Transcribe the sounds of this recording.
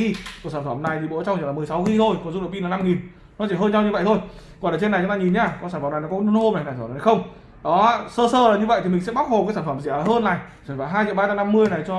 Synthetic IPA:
i˧ksaː˧˩nfə˧˩mna˨˩jt̪ʰi˨˩ɓo̰˧˥t͡ɕa˧wŋ͡mt͡ɕi˧˩laː˨˩mɨ˨˩əjsa˨˦wxi˧t̪ʰo˧˩jkɔ˨˩nzu˧ɗə˧˨˩ki˧la˨˩na˧mŋi˨˩n | nɔ˨˦t͡ɕi˧˩ɦəː˧nt͡ɕa˧wɲɨ˧və̰˧˨jt̪ʰo˧jkɔ˨˩nlaː˨˩t͡ɕe˧na˨˩jt͡ɕʊ˨˦ŋ͡mt̪aː˧ɲi˨˩nɲaː˧˩kɔ˨˩nsaː˧˩fə˧˩mna˨˩jnɔ˦kɔ˦˧˦nho˧ma˨˩jna˨˩t̪ːxə˧wŋ͡m | ɗɔ˨˦˧səː˧səː˧laː˨˩ɲɨ˧və̰˧˨jt̪ʰi˨˩mi˨˩ŋ̟sɛ̰˧˥ɓa˦˥k̚ho˨˩p̚aː˨˦jsaː˧˩fə˧˩mzi˧˩˨a˨˩həː˧nːa˨˩j | t͡ɕə˨˩faː˧˩ɦaː˧jt͡ɕḭ˧˨ɓaː˧a˧na˧mːɨ˧əjna˨˩jt͡ɕɔ˧

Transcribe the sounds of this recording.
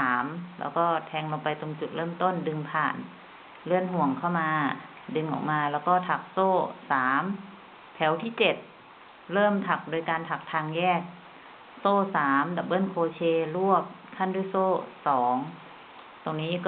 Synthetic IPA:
aː˩˦mlɛ̰ː˧˥wkɔː˧˥˩t̪ʰɛː˧ŋlo˧ŋpa˧jt̪o˧ŋt͡ɕu˨˩t̪̚lɤː˥˩mt̪o˥˨ndɯ˧ŋpʰaː˨˩n | lɯ˥˩ənɦu˧˩əŋkʰa˧˥˩wmaː˧ | dɯ˧ŋʔɔ̰ː˨˩k̚maː˧lɛː˧˥˩wkɔː˧˥˩t̪ʰa˨˧˩k̚soː˥˩saː˩˦m | t̪ʰɛː˨˩˦wt̪ʰiː˧˥˩t͡ɕe˨˩t̪̚ | lɤː˥˩mt̪ʰa˨˩k̚du˧əjkaː˧nt̪ʰa˨˩k̚t̪ʰaː˧ŋjɛː˥˩k̚ | soː˥˩˨saː˩˦mda˧˩p̚bɤː˧˥˨nkʰoː˧t͡ɕʰeː˧lu˥˩əp̚ | kʰa˧˥˨nduː˧˥˨jsoː˥˩sɔː˩˦ŋ | t̪o˧ŋniː˦˥˨kː

